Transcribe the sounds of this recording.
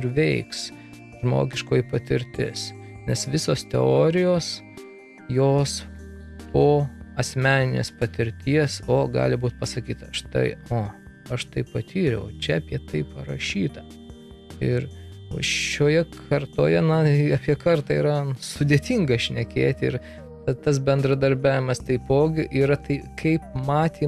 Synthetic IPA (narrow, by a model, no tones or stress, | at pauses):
ɪɾʋʲɛɪks | ʒmo̰ːɡʲɪʃkoːjipɐt̪ʲɪɾʲt̪ʲɪ̰s | nʲɛsʋʲɪsoːst̪ʲɛ̰oːɾʲɪjoːs | joːs | poːɐsʲmʲæːnʲɪnʲḛːspɐt̪ʲɪɾʲt̪ʲiɛsoːɡɑ̰ːlʲɪbuːt̪̚pɐsɐkʲiːt̪ɐɐʃt̪ɐ̰ɪoː | ɐʃt̪ɐɪpɐt̪ʲiːɾʲɛ̰ʊot͡ʃʲɛɐpʲiɛt̪ɐɪpɐɾɐʃʲiːt̪ɐ | ɪɾ̰ʲ | oːjɛkʰɐrt̪oːjɛnɐɐpʲiɛkɐrt̪ɑiːɾɐnsʊd̪ʲeːt̪ʲiŋɡɐʃʲnʲɛkʲeːt̪ʲɪɾ | t̪ɐt̪ɐsbʲɛnd̪ɾɐd̪ɐɾʲbʲæːʋʲɪmɐst̪ɐɪpoːɡʲɪʔiːɾɐt̪ɐɪkʰɐɪp̚mɑːt̪ʲiː